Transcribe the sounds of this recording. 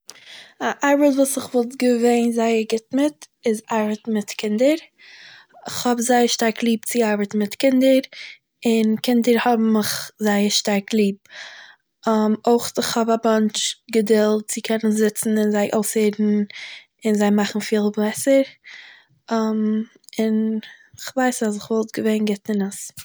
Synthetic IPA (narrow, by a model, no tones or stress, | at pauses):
aʔaɾbətvuːsɪχvɔlˠtɡəveɪnzaɪəɾɡɪtmɪt | ɪzaɾbətmɪtkʰɪndəɾ | ɪχhɔbzaɪəɾʃtaɾklˠiːp̚t͡sɪaɾbətn̩mɪtkɪndəɾ | ɪnkɪndəɾhɔbm̩ːɪχzaɪəɾʃtaɾklˠiːb̚ | amoɪχtɪχhɔbamant͡ʃɡədɪlˠt̚t͡sɪkʰɛnənzɪt͡sn̩ɪnzaɪʔoʊseɪdn̩ | ɪnzaɪmaχn̩fiːlˠblɛsəɾ | am | ɪnɪχvaɪsas̬ɪχvɔlˠtɡəveɪnɡɪtɪnəs